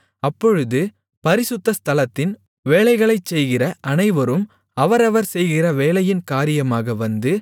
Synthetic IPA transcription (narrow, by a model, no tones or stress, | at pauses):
ɐpːɔɻɯðɯ | pɐɾɪsʊt̪ːɐst̪ɐlɐt̪ːɪn | ʋeːɭɐɪɣɐɭɐɪt͡ʃːɛjɣɪrɐʔɐnɐɪʋɐɾɯm | ɐʋɐɾɐʋɐɾsɛjɣɪrɐʋeːɭɐjɪnkaːɾɪjɐmaːɣɐʋɐnd̪ɯ